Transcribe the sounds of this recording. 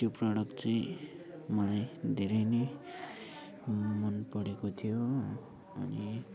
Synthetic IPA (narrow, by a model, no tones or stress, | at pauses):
t̪joprʌɽʌkt͡saĩ | mʌlajd̪ʱeɾʌjne | mʌnpʌɽekot̪ʰijo | ʌni